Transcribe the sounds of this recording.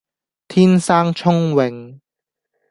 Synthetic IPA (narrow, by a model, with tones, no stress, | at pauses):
t̪ʰiː˥nsaː˥ŋt͡ʃʰʊ˥ŋwɪ˨ŋ